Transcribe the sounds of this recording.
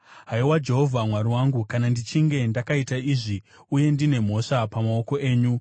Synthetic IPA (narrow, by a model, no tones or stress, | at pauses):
ɦaiwad͡ʒe̞ɦo̞vʱamwaɾiwaŋɡukanandit͡ʃiŋɡe̞ndakaitaiʐi | uje̞ndine̞m̤o̞ʂapamao̞ko̞ʔe̞ːɲu